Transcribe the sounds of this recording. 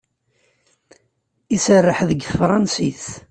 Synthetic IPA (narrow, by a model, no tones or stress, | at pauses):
isərːəħðəɡθəfɾˤɑnsiθ